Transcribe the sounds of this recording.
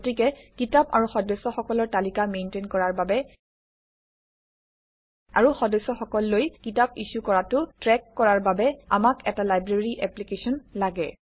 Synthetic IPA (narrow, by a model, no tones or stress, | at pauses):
tɹikɛkitapa̰ɹuxɔdɔsːɔxɔkɔlɔɹtalikamejntenkɔɹaɹbabɛ | a̰ɹuxɔdɔsɔxɔkɔlːojkitapisukɔɹatʊtɹɛkːɔɹaɹbabɛa̰makɛtalajbɹeɹiʔɛplikesɔnlaɡɛ